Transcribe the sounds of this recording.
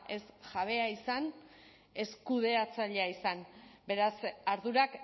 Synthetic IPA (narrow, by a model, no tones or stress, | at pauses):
e̞sʝaβ̞e̞aisan | e̞skuð̞e̞at͡saʎeaisanbe̞ɾasaɾðuɾak